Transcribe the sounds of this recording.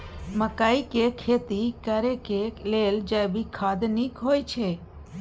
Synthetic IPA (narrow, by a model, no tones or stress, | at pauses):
məkaːikekʰeːt̪ikəɾekeleld͡ʒəjbʱikʰad̪nikɦoːjt͡ʃʰe